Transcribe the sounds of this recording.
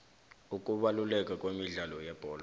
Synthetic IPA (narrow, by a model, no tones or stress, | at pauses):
ukʼuɓalulɛkʼakʼwemiɮalɔjɛb̥ʱɔːl